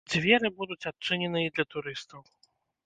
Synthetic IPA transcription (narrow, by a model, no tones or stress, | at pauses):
d͡zʲvʲɛɾɨbud̪ut͡sʲat̚t͡ʂɨnʲɛnɨjid̪lʲɐt̪uɾɨst̪ɐw